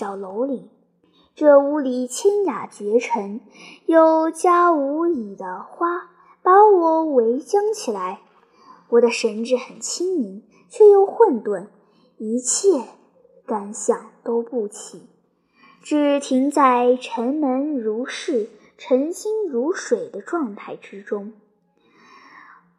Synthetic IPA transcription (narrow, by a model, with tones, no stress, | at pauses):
ɑ˨˩ʊlo˧˥ʊli˨˩˦ | ʈ͡ʂɤ˥˩u˧˥li˨˩t͡ɕʰɛ˥nja˨˩t͡ɕɥɛ˧˥ʈ͡ʂʰə˧˥ŋ | jo˨˩ʊt͡ɕja˥u˧˥i˨˩d̪ə˦xwa˥ | pɑ˧˥wɔ˨˩we˧˥ɪt͡ɕjɑ˥ŋt͡ɕʰi˨˩la˧˥ɪ | wɔ˨˩d̪ə˦ʂə˧˥nʈ͡ʂɻ̩˥˩xə˨˩nt͡ɕʰi˥ŋmi˧˥n | t͡ɕʰɥɛ˥˩jo˥˩ʊxwə˥˧nt̪wa˥˩n | i˧˥t͡ɕʰjɛ˥˩ | ka˥˩nɕjɑ˥˩ŋt̪o˥ʊpu˥˩t͡ɕʰi˨˩˦ | ʈ͡ʂɻ̩˥˩t̪ʰi˧˥ŋt͡sa˥˩ɪʈ͡ʂʰə˧˥nmə˧˥nɻu˧˥ʂɻ̩˥˩ | ʈ͡ʂʰə˧˥ŋɕi˥ŋɻu˧˥ʂwe˨˩ɪd̪ə˦ʈ͡ʂwɑ˥˧ŋt̪ʰa˥˩ɪʈ͡ʂɻ̩˥ʈ͡ʂʊ˥ŋ